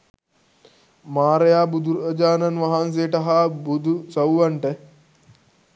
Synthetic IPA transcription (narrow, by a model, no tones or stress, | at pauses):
maːɾɐjaːbud̪uɾɐd͡ʒaːnɐnʋɐɦans̬eːʈɐɦabud̪usɐwʋɐɳʈə